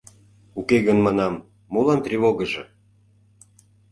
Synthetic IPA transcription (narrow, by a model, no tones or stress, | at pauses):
ukeɣənmɑnɑmː | olɑnt̪rʲivoɣə̆ʒɤ̆